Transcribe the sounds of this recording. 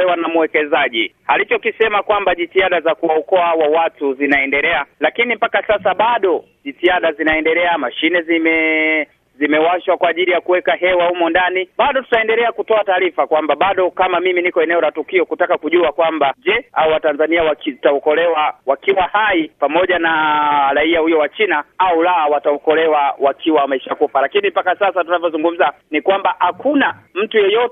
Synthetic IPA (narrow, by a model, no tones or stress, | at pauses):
ɛwanamuwɛkɛzaʄihalit͡ʃɔkisɛmakwambaʄitiaɗazakuaɔkɔawawatuzinaɛndɛlɛalakinimpakasasaɓaɗɔ | ʄitiaɗazinaɛndɛlɛamaʃinɛzimɛ | zimɛwaʃwakwaːʄilijakuwɛkaɦɛwahumɔndaniɓaɗɔtu̥taɛndɛlɛakutɔataːɾifakwambaɓaɗɔkamamiminikɔɛnɛɔlatukiɔkutakakuʄuakwambaʄɛauwatanzaniawakitaɔkɔlɛwawakiwahaipamɔʄanaɾaiahujɔwat͡ʃinaaulaawataɔkɔlɛwawakʰiwamaiʃaakufalakinimpakasasatunavjɔzuŋɡum̩zanikwambaʔhakunam̩tujɔjɔtɛ